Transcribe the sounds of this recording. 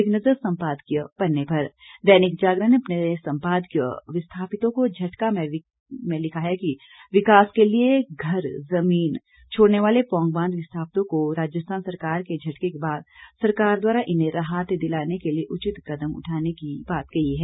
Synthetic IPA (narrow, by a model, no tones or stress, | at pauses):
ɪknɐzəɾsɐ̃mpaːd̪kjəpɐɾnːepɐɾd̪ɛːnɪkd͡ʒaːɡɾəneɐpnesɐ̃mpaːd̪kjə̰ʋɪst̪ʰaːpɪt̪õkod͡ʒʱɐʈkamẽ | mẽlɪkʰaɦɛki | ʋɪkaːskelieɡʱɐɾzɐmiːn | t͡ʃʰoːɽneʋaːlepɔ̃ːŋɡbãːnd̪ʋɪst̪ʰaːpt̪õkoɾaːd͡ʒjəst̪ʰaːnsɐɾkaːɾked͡ʒʱɐʈkekebaːd̪sɐɾkaːɾd̪waːɾaʔɪnẽɾaɦaːt̪d̪ɪlaːnekelieʔʊt͡ʃɪt̪kɐd̪əmʊ̰ʈʰaːnekibaːt̪ɡɐiɦɛː